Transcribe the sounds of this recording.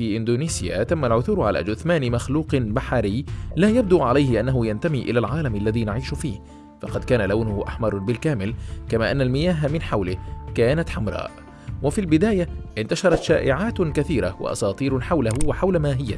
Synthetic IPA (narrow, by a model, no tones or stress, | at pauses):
iːʔɪnd̪uːniːsɪja̰t̪amːalʕʊθuːɾʕa̰lʔa̰ːd͡ʒʊθmaːnɪmaxluːqnbaħaɾɪjlaːjab̚d̪ʊʕalajhɪʔanːaɦʊjant̪amiːʔɪ̰lalʕaːlamalːaðiːnaʕiːʃʊfiːh | fɑqɑd̪̚kaːnalawnʊhʊʔa̰ħmɑɾˤbɪlkaːmɪlkamaːʔanːalmɪjaːɦamɪnħawlɪkaːnat̪ħamɾˤɑ̰ːʔ | wafilbɪd̪aːjaʔɪnt̪aʃɑɾˤɑt̪ʃaːʔɪʕaːt̪kaθiːɾawɪ̰ʔɑ̰sˤɑːt̪ˤiːɾħawlahwɪħawlamaːɦɪjːa̰